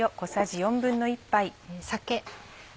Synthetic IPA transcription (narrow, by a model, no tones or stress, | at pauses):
jo̞ko̞saʑijõ̞mbɯ̟̃nːo̞ipːaisake